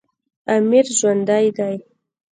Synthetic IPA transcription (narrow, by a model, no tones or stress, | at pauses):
amiɾʒwand̪ajd̪aj